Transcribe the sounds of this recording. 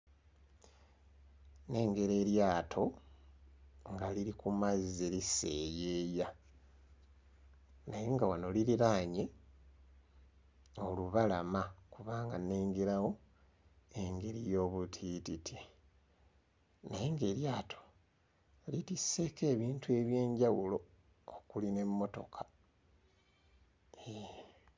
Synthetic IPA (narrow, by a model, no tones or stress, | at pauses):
ne̞ːŋɡeɾe̞ːɾjaːtʰo̞ | ŋɡaliɾikumazizelise̞ːjeːja | najeŋɡawano̞liɾiɾaːɲe̞ | oluβalamakuβaːŋɡaneːŋɡeɾawo̞ | e̞ŋɡe̞ɾijo̞ːβutʰititʰi | najeŋɡe̞ːɾjaːtʰo̥ | litisːe̞ːke̞ːβiːntue̞βje̞ːɲɟawulo̞ː | kuline̞mːo̞to̞̰kʰḁ | e